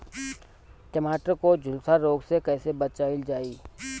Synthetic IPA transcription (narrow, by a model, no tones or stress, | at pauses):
ʈɪmaːʈəɾkod͡ʒʱʊlsaɾoːɡsekɛːsebət͡ʃaːɪld͡ʒaːiː